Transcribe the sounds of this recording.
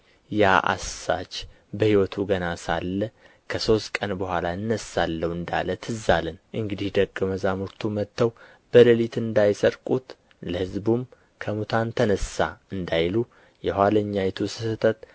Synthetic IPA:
jaʔa̰sa̰t͡ʃ | bəhiwɔt̪ʰuɡənasalːə | kʰəso̞st̪kʼənbəhʷalaɨnːəsːalːəwɨnd̪a̰lət̪ʰɨzːalənʔɨŋɡɨd̪ihd̪əɡəməzamuɾt̪ʰumət̪ːəw | b̥ələlit̪ɨnd̪ajsəɾkʼut̪ | ləhɨzbum | kʰəmut̪ʰant̪ʰənəsaɨnd̪ajlu | jɛhʷwaləɲːajɛt̪ʰusɨsɨt̪ʰət̪

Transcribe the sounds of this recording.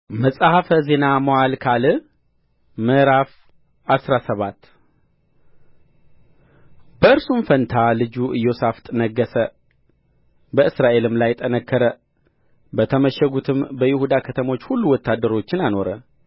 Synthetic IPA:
məsʼahafəze̞namoalkʰalɨ | məɾaf | asɾasəβat̪ː | bəɨɾsumfənt̪ʰalɨd͡ʒuʔɨjːo̞saft̪ʼɨnəɡːəsə | bəɨsɾaʔe̞lɨmlajt̪ʼənəkːəɾə | bət̪ʰəməʃəɡut̪ʰɨmbəjɪhud̪akʰət̪ʰəmo̞t͡ʃːhulːuwɔt̪ːad̪ːəɾo̞t͡ʃːɪnano̞ɾə

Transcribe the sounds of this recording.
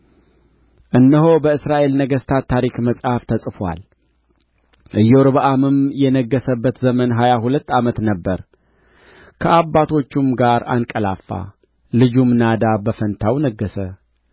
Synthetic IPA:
ʔɨnːɨɦobəɨsɾaʔe̞lnəɡəst̪ʰat̪ʰːaɾikməsʼhaft̪ʰəsʼfwa̰l | ʔɨjːɛwɾɨβaʔamɨmjɛnəɡːəsəbːət̪zəmənɦajaɦulət̪ːamət̪nəbːəɾ | kʰəʔabːat̪ʰo̞t͡ʃːumɡaɾa̰nkʼəla̰fːa̰ | lɨd͡ʒumnad̪abəfənt̪ʰawnəɡːəsə

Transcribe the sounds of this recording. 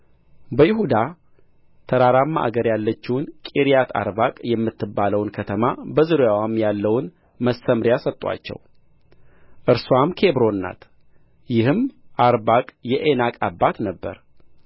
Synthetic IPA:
bəjɪɦud̪a | t̪ʰəɾaɾamːaʔa̰ɡəɾjalːət͡ʃːɪwʊnkʼiɾijat̪ʰa̰ɾbakʼjɛmːɨt̪ʰːɨbːaləwnkʰət̪ʰəmabəzɨɾojawamːjalːəwn | məsːəmɾjasət̪ʼːwa̰t͡ʃːɛ̰w | ʔɨɾswamkʰe̞bɾo̞nːa̰t̪ | jɪhɨmʔaɾbakʼjɛʔenakʼabːat̪nəbːə̰ɾ

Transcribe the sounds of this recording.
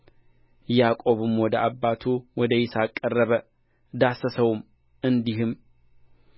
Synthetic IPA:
jakʼo̞βɨmwɔd̪əʔabːat̪ʰuwɔd̪əjɪsakʼːərːəβə | d̪asəsəwm | ɨnd̪iɦɨm

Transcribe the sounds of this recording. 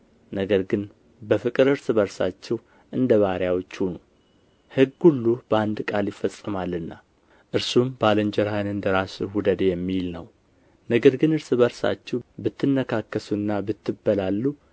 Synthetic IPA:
nəɡəɾɡɨn | bəfɨkʼɨɾɨɾsbəɾsa̰t͡ʃːɛw | ʔɨnd̪əβaɾjawot͡ʃːhunu | hɨɡhulːubəand̪kʼaljɪfːəsʼɨmalːɨnːa̰ | ʔɨɾsumbaləɲd͡ʒɛɾhajnɨnd̪əɾaswud̪əd̪jɛmːilnə̰w | nəɡəɾɡɨnɨɾsɨbəɾsa̰t͡ʃːɛwbɨt̪ʰːɨnːəkʰakːəsuɨnːabɨt̪ːɨbːəlalːu

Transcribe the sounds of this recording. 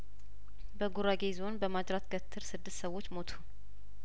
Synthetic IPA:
bəɡuɾaɡezo̞nbəmad͡ʒɾat̪ɡət̪ʰːɨɾsɨd̪ːɨst̪səwo̞t͡ʃːmo̞t̪ʰu̥

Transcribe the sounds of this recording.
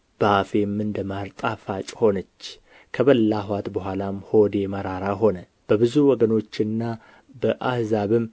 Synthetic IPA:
b̥əafemːɨnd̪əmaɾt̪ʼafat͡ʃʼho̞nət͡ʃː | kʰəβəlːaɦwat̪bəɦʷalamho̞d̪e̞məɾaɾaɦo̞nə | b̥əbɨzuwɔɡəno̞t͡ʃːɨnːa | bəʔahzaβɨm

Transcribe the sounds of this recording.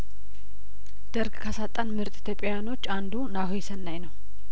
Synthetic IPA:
d̪̥əɾɡkʰasat̪ʼːanmɨɾt̪ʼit̪ʰjopʼjawjano̞t͡ʃːand̪unahesənːajnəw

